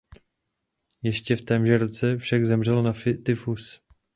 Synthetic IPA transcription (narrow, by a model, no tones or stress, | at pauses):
jɛʃcɛft̪ɛːmʒɛɾt͡sɛfʃaɡzɛmr̝ɛlonafɪt̪ɪfus